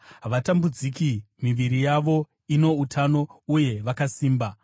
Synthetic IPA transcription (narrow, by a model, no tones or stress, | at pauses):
ʋatambud͡zikimiʋiɾijaʋo̞ | ino̞utʰano̞uje̞ʋakasiːmba